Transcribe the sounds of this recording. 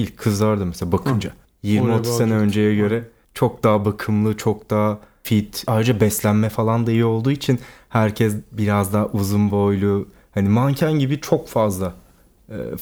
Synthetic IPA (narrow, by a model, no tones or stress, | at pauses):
ilʲc̚kʰːɯzlˠaɾd̪amɛselabakʰɯnd͡ʒa | jiɾmiat̪ʰɯse̞nɛø̞nd͡ʒejɛɟø̞ɾɛ | t͡ʃʰo̞k̚d̪aːbakʰɯmlˠɯt͡ʃʰo̞k̚d̪̥aː | fit̪aːjɾɯd͡ʒabɛslʲænmɛfalˠand̪ejio̞lˠd̪uːit͡ʃʰinhæɾcʰɛsbiɾazd̪aːʔuzunbojlʲˠu | hanimancʰanɟibit͡ʃʰo̞kfazlˠa̰ː